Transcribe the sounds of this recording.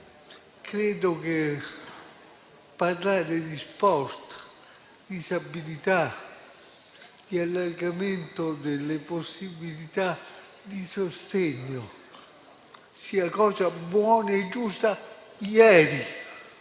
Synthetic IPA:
kʰɾɛːd̪oke | parlaːɾed̪ispɔst̪ | d̪isabilit̪a | d̪̥ialːarɡament̪od̪elːeposːibilit̪a | d̪isost̪ɛɲːo | siːakɔːzabwɔːnaed͡ʒːust̪ajɛːɾi

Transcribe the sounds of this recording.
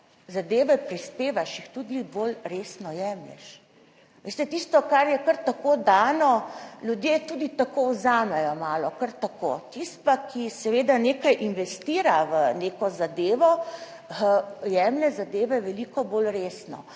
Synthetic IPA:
zad̪eːʋɛpɾispeːʋaʃixt̪ud̪ibolɾeːsnɔjɛmlɛ̰ʃ | ʋest̪ɛt̪iːst̪ɔkaɾjɛkəɾt̪akod̪aːnɔlʲjud̪jet̪uːd̪it̪akowzaːmɛjɔmaːlɔkəɾt̪ako̰t̪ist̪pakʰisɛʋeːd̪aneːkajʔinʋɛst̪iːɾaʋəneːkɔzad̪eːʋɔ | əjɛːmlɛzad̪eːʋɛʋɛliːkɔboːlɾeːsnɔ̰

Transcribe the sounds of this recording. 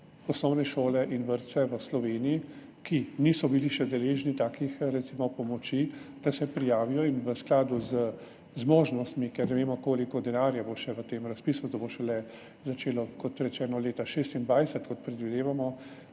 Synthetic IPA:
ɔsnɔwnɛʃoːlɛʔinʋəɾt̪sɛʋəslɔʋeːniji | kinisɔbiliʃɛd̪ɛleːʒnit̪aːkixɾɛt̪simɔpɔmɔt͡ʃid̪̥asɛpɾijaːʋijɔinʋəsklaːd̪uzə | zmoːʒnɔst̪mikɛɾnɛʋeːmɔkoːlikɔd̪ɛnaːɾjaboʃɛʋət̪eːmɾaspiːsud̪ɔboʃɛlɛ | zat͡ʃeːlɔkɔt̪ɾɛt͡ʃɛːnɔleːt̪aʃeːst̪ind̪ʋaːjsɛt̪kɔt̪̚pɾɛd̪ʋid̪eːʋamɔ

